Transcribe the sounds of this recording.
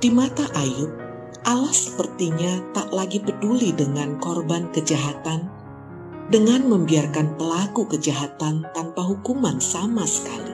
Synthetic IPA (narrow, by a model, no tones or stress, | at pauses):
d̥imat̪aʔajʊp̚ | ʔalahsə̥pərt̪iɲat̪aʔlaɡipədulidəŋankɔrbankəd͡ʒaɦat̪an | dəŋanməmbiarkanpəlakukəd͡ʒaɦat̪ant̪anpaɦukumansamasə̥kali